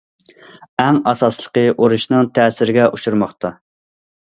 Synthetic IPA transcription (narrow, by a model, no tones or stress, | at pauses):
ɛŋɑsɑslˠə̥qəʔoɾuʃnɨŋt̪ʰɛːsɪɾɪɡʲɛʔuʃuɾmɑχt̪ʰɑ